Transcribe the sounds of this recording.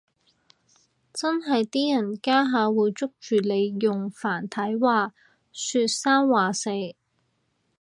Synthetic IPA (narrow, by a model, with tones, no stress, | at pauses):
t͡sɐ˥nɦɐ˨jt̪iː˥jɐ˨˩nkaː˥ɦaː˨˧wuː˨˧jt͡sʊ˥k̚t͡ʃyː˨˩le˨˧jːʊ˨ŋfaː˨˩nt̪ʰɐ˨˥jwaː˨˧ | syː˧t̚saː˥nwaː˨se˨˧j